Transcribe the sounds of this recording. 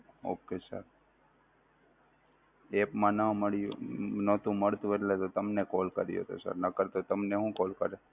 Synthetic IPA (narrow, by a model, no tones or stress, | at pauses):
o̰kesə̰ɾ | epmãnəməɭjṵnot̪ũməɭt̪ũet̪let̪ot̪əmnekolkəɾḭo̰t̪o̰sə̰ɾnakəɾt̪ot̪əmneɦũːkolkəɾe